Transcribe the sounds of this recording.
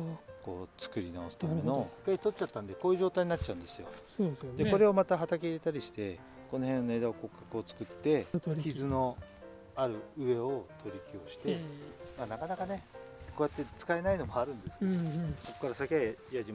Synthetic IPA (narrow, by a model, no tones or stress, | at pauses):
ko̞̰ːt͡sɨ̥kɯ̟ɾʲinaosɨ̥t̪enokːait̪o̞t͡ɕːat̪ːãnd̪e̞ko̞ːjiɯ̟ʑo̞ːt̪aiɲ̟inatt͡ɕːaɯ̟̃nd̪esɨjo̞̰soːesd̪e̞ko̞ɾe̞o̞mat̪aɦat̪akeiɾe̞t̪aɾʲiɕi̥t̪e̞ | ko̞no̞hẽ̞one̞ːd̪aoko̞kːakɯ̟o̞t͡sɨ̥kɯ̟t̪ːe̞çizɨno̞ | aɾɯ̟ɯ̟e̞o̞t̪ʰo̞ɾʲikʲio̞ɕi̥t̪e̞maːnakanakane̞ko̞ːjat̪ːe̞t͡sɨ̥kae̞naino̞moaɾɯ̟̃nd̪e̞sɨ̥nso̞kːaɾasakejaʑim